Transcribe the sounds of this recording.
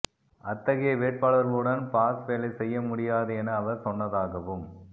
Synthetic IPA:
ɐt̪ːɐɣɪjɐʋeːʈ̚paːɭɐɾɣɐɭɯɽɐnpaːsʋeːlɐɪsɛjːɐmʊɽɪjaːðɯɛnɐːʋɐɾsɔnːɐðaːɣɐʋɯm

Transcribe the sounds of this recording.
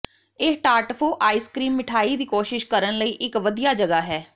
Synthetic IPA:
ɪʈaːɾʈfʰoːʔaːiːskɾiːmːɪʈʰaːiːd̪iːkoːʃɪʃkəɾənləiːʔɪkʋəd̪ijaːd͡ʒəɡaːɦɛː

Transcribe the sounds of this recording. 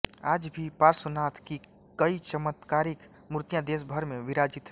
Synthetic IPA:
aːd͡ʒbʱipaːɾsʊnaːt̪ʰki | kɐit͡ʃəmət̪kaːɾɪk | mʊɾt̪ijãd̪eːs̬bʱəɾmẽʋɪɾaːd͡ʒɪt̪ː

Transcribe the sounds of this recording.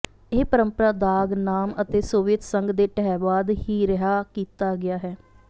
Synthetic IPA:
eːpəɾəmpəɾaːd̪aːɡnaːmət̪eːsoːʋɪt̪səŋɡd̪eːʈɛɛʋaːd̪hiːɾəɦaːkiːt̪aːɡɪaːɦɛː

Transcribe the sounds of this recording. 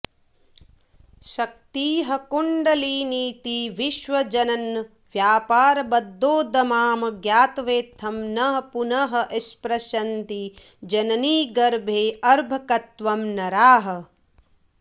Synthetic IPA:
ʃɐk̚t̪iːɦɐkuɳɖɐliːniːt̪iʋiʃʋɐd͡ʒɐnɐnː | ʋjaːpaːɾɐbɐd̪ʱːoːd̪ɐmaːmɐɡjaːt̪ʋeːt̪ʰːɐmnɐɦɐpunɐɦɐ̆ʔɐspɾɐʃɐnt̪i | d͡ʒɐnɐniːɡɐɾbʱeːɐɾbʱɐkɐt̪ʋɐmnɐɾaːɦɐ̆

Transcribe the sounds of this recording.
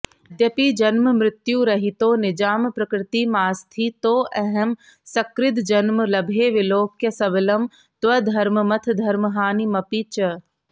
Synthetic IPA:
d̪jɐpid͡ʒɐnməmɾɪt̪juɾɐɦit̪oːnɪd͡ʒaːmpɾɐkɾɪt̪imaːst̪ʰit̪oːʔɛɦɛm | sɐkɾɪt̪̬d͡ʒɐnməlɐbʱeːʋɪloːkjɐsɐbɪlɐm | t̪ʋɐd̪ʱɐɾməmɐt̪ʰd̪ʱɐɾməɦaːnimɐpiːt͡ʃɐ

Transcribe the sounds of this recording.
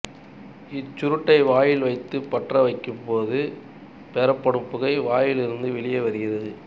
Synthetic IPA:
ɪt͡ʃːʊɾɯʈːɐɪʋaːjɪlʋɐɪt̪ːɯpɐʈrɐʋɐɪkːɯmpoːðɯ | pɛɾɐpːɐɽɯmpːɯɣɐɪʋaːjɪlɪɾɯnd̪ɯʋɪɭɪjɐʋɐɾɪɣɪrɐðɯ

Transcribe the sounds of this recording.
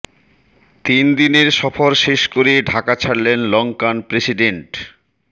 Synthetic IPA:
t̪ind̪ineɾʃɔfoɾʃeʃkoɾeɖʱakat͡ɕʰaɽlenlɔŋkanpɾesiɖeɳʈ

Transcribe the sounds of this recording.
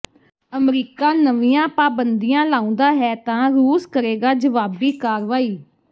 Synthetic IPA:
əmɾiːkaːnəʋijãːpaːbənd̪ijãːlaːʊ̃ːnd̪aːɦɛːt̪ãːɾuːskəɾeːɡaːd͡ʒəʋaːbiːkaːɾʋaːiː

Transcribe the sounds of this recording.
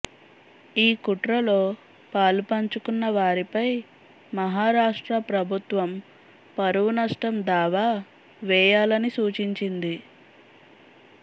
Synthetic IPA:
iːkuʈɾɐlo̞ː | paːlpɐɲt͡ʃukunːɐʋaːɾipɐj | mɐɦaːɾaːʂʈɾɐpɾɐbʱut̪ʋɐm | pɐɾuʋunɐʂʈɾɐmd̪aːʋaː | ʋɛːjaːlɐnisuːt͡ʃiɲt͡ʃind̪i

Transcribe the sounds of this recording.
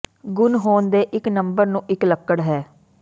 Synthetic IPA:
ɡʊnɦoːnd̪eːʔɪknəmbəɾnũːʔɪkləkːəɽɦɛː

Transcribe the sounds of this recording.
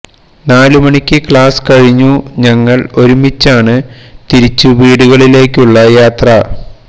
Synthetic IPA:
naːlumɐɳikʲːɨkɭaːskɐɻiɲːuɲɐŋːɐɭo̞ɾumit͡ɕːaːɳɨt̪iɾit͡ɕːuʋiːɽuɣɐɭile̞ːkʲːuɭːɐjaːt̪rɐ

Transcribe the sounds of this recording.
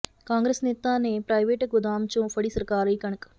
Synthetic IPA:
kaːŋɡɾesneːt̪aːneːpɾɐjʋeːʈkud̪aːmt͡ʃũːfɐɽisɐɾkaːɾɐkɐɳɐk

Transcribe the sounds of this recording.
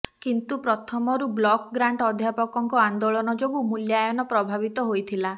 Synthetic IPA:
kint̪upɾɔt̪ʰɔmɔɾublɔkɔɡɾaɳʈɔd̪ʱjapɔkɔŋkɔand̪oɭɔnɔd͡ʒoɡumuljajɔnɔpɾɔbʱabit̪ɔɦojt̪ʰila

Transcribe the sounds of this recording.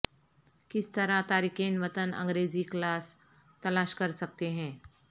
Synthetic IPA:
kɪst̪ɐɾat̪aːɾikẽːnʋət̪ənə̰̃ŋɡɾeːziklaːs | t̪ɐlaːʃkɐɾsɐk̚t̪eɦɛ̃ː

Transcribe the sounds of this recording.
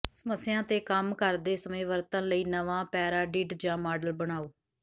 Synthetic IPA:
səməsːjãːt̪eːkəmkəɾd̪eːsəmẽːʋəɾt̪ə̃ləiːnəʋãːpɛːɾaːɖiːʈd͡ʒãːmaːɖəlbəɽ̃aːoː

